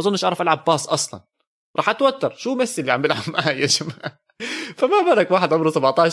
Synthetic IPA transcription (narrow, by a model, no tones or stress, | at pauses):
ʔɑzˤʊnːʔeʃʔɑʕɾˤɑfʔalʕɑbːɑːsˤʔɑsˤlɑ̰n | ɾˤɑːħʔat̪wat̪ːɑɾˤʃuːmasːɪlːiʕambɪlʕabmʕaːjaʃma | famabɑɾˤɑkwaːħɪd̪ʕʊmɾsabaʕt̪ˤɑː